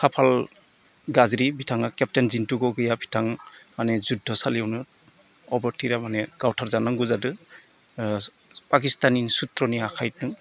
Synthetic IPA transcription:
kʰapʰal | ɡazɾibʱitʰaŋakɛp̚tenzintuɡɔɡɯjabʰʱi̥tʰaŋmanɛzudʱɔsaliɔwnɯ | ɔbɔɾtʰiɾamanɛɡ̥awtʰaɾzanɔŋɡuzadɯ | pakistaninsutɾɔniakʰajt̚nɯ

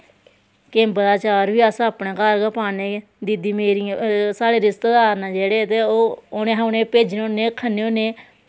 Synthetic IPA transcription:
kembəd̪aːt͡ʃaːɾʋiːasãəpnẽːkaːɾɡapaːneː | d̪iːd̪iːmeːɾĩsaːɽeːɾɪst̪eːd̪aːɾnãːd͡ʒeːɽeːt̪eːoːonẽːɦanẽːpeːd͡ʒnoːneːkʰəneːonẽː

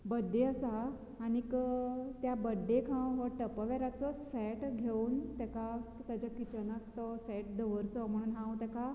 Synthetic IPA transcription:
bəd̪ːeəsaː | ñikət̪jabəd̪ʱekʰãɦɔʈəpəʋaɾat͡sɔsɛʈɡʱeuːnt̪ɛkakt̪ad͡ʑakit͡ɕənakt̪ɔsɛʈ̚d̪əʋəɾt͡sɔm̤əɽ̃uːnɦãwt̪ɛka

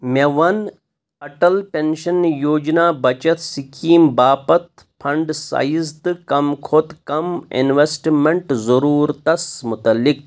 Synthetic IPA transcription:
meʋɐn | ɐʈɐlpenʃɐnjoːd͡ʒnaːbɐt͡ʃɐt̪sikʰiːmbaːpɐt̪ | pʰɐɳɖsa̰ːjizt̪ɨkɐmkʰoːt̪kɐmḭnʋesʈmeɳʈzɐɾuːɾt̪ɐsmut̪ɐlːik̚

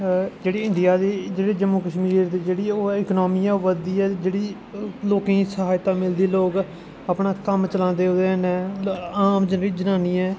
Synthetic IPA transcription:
d͡ʒeːɽiːɪ̃ɳɖɪjaːd̪eːd͡ʒeːɽeːd͡ʒəmuːkəʃmiːɾd̪eːd͡ʒeːɽiːoːɪknoːmiːɛaːʋəd̪iːɛːd͡ʒeːɽiː | loːkẽːsəɦaːjt̪ãːmɪld̪eːloːɡ | apnaːkəmt͡ʃəlãːnd̪eːoːd̪eːɦənɛːaːmd͡ʒənɾiːd͡ʒənaːniːɛː

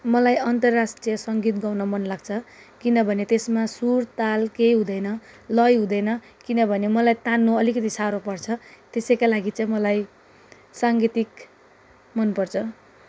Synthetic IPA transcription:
mʌlajʌnt̪ʌrːasʈrijʌsʌŋɡit̪ɡawnʌmʌnlaɡ̚t͡sʰʌ | kinʌbʱʌnet̪esmasurt̪alkejɦũd̪ʌjnʌ | lʌjɦũd̪ʌjnʌ | kinʌbʱʌnemʌlajt̪anːoʌlikʌt̪isaɾopʌrt͡sʰʌt̪esʌjkalaɡit͡sʌj̃mʌlaj | saŋɡit̪ik | mʌnpʌrt͡sʰʌ

